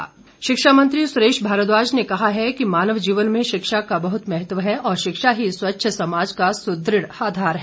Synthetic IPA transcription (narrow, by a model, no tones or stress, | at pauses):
ʃɪkʃaːmə̃nt̪ɾisʊɾeːʃbʱaːɾət̪ʋaːd͡ʒnekɐɦaɦɛkimaːnəʋd͡ʒiːʋənmẽʃɪkʃakabɐɦʊt̪mɛɦət̪ʋəɦɛɔːɾʃɪkʃaɦiswɐtːʃʰəsɐmaːd͡ʒkasʊd̪ɾɪɽaːd̪ʱaːɾɦɛ